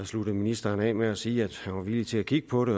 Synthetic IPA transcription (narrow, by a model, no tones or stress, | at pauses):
sluɾ̥ð̩ˠminisd̥ɐːnɛ̰ːmeæsiːæd̥hænʋɑ̈ʋilit͡sʰe̝ækʰiɡ̥ə̥pʰɒ̽ɾe̝